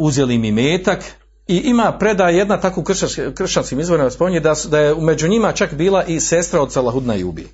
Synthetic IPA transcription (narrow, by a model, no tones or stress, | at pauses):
uzjelimimeːt̪ak | iʔimaːpɾe̞d̪aːje̞d̪nat̪akokr̩ʃaskr̩ʃt͡ʃanskiːmizʋo̞ɾimaspomiɲed̪asd̪ajeumed͡ʑuɲimat͡ʃakbiːlˠaʔisest̪ɾao̞d̪salˠaɦud̪na̰jṵːbḭ